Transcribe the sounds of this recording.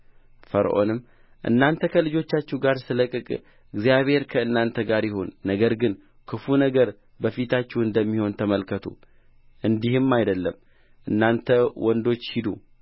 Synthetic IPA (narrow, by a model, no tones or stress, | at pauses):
fəɾ̰ʔo̞̰nɨm | ʔɨ̰nːant̪ʰəkʰəlɨd͡ʒo̞t͡ʃːat͡ʃːɛɡaɾsɨləkʼɨkʼ | ɨɡzjaβhe̞ɾkʰəɨnːant̪ʰəɡaɾjɪho̞nːəɡəɾɡɨn | kʰɨfunəɡəɾ | bəfit̪ʰat͡ʃːɛwɨnd̪əmːiho̞nt̪ʰəməlkʰət̪ʰṵ | ʔɨnd̪ihɨmːajd̪əlːəm | ʔɨnːant̪ʰəwʔɔnd̪o̞t͡ʃːhid̪ṵ